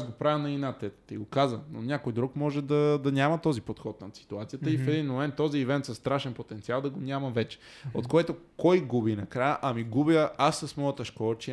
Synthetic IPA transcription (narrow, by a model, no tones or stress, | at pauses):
sɡopɾavɐnɐinat̪ɛt̪t̪iɡokazəno̰nʲakojd̪ɾukmɔʒɛd̪ɐd̪ɐnʲamɐt̪ɔzipot̪xɔt̪nɐt̪si̥t̪uat̪sijət̪əifɛd̪inmomɛnt̪ːɔziːvɛnt̪sɐst̪ɾaʃɛnpot̪ɛnt̪sialˠd̪ɐɡonʲamɐvɛt͡ʃɛ̥ | ot̪koɛt̪okɔjɡubinɐkɾajəʔɐmiɡubjəasːɐsmɔjət̪əʃkɔlˠt͡ʃi